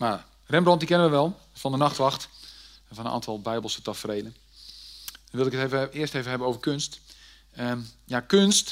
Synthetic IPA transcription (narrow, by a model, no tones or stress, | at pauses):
ma | rɛmbrɔntdikɪnənʋəʋɛlˠ | fɔndənaxtʋɑxt | fɔnənʔa̰ːntʰɔlˠbɛjbəlˠsətɔfəreːdə | dɔnʋɪlˠdɪkətevɪəstejvəɦɛbənowvərkønst | əjakønst